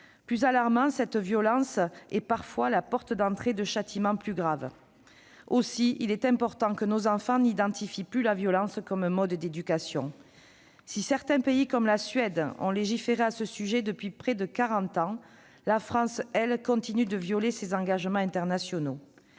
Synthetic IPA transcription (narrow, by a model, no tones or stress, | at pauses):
plyzalaʁmɑ̃sɛt̪vjɔlɑ̃sɛpaʁfwalapɔʁt̪əd̪ɑ̃t̪χed̪əʃat̪ʰimɑ̃plyɡʁav | osiilɛt̪ɛ̃pɔʁt̪ɑ̃kənozɑ̃fɑ̃nid̪ɑ̃t̪ifiplylavjɔlɑ̃skɔmmɔd̪d̪ed̪ykasjɔ̰̃ | sisɛʁt̪ɛ̃peikɔmlasɥɛd̪ɔ̰̃leʒifeʁeasəsyʒɛd̪əpɥipχɛd̪əkaʁɑ̃t̪ɑ̃ | lafχɑ̃sɛlkɔ̃t̪inyd̪əvjɔlesezɑ̃ŋɡaʒmɑ̃ɛ̃nt̪ɛʁnasjɔno